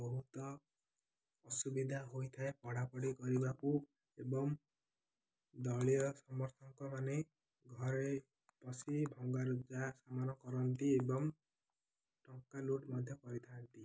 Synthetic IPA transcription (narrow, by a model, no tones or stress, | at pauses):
bɔɦut̪ɔ | subid̪ʱaɦojt̪ʰaepɔɽapɔɽikɔɾibaku | ebɔm | d̪ɔɭijɔsɔmɔɾt̪ʰɔŋkɔmane | ɡʱɔɾe | pɔsibʱɔŋɡaɾud͡ʒasamanɔkɔɾɔnt̪iebɔŋ | ʈɔŋkaluʈmɔd̪ʱjɔkɔɾit̪ʰant̪i